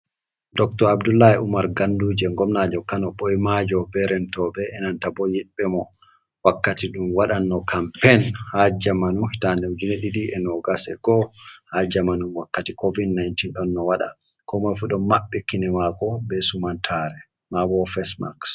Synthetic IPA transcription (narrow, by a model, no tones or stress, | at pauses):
dɔk̚tɔɾabdulːajɛʔumaɾɡandud͡ʒɛŋɡɔmnad͡ʒɔkanɔɓɔjmad͡ʒɔbɛɾɛntɔbɛʔɛnantabɔjɛɓɛmɔ | wakːatiɗumwaɗanːɔkʰampɛnhad͡ʒamanuhitanɛwd͡ʒinɛɗiɗiʔɛnɔɡasɛ̰kɔhad͡ʒamanunwakːatikovidnajntinɗɔnːɔwaɗa̰ | kɔmɔjfuɗɔnmaɓːɛkːinɛmakɔbɛsumantʰaɾɛ | mabɔfɛsma̰ks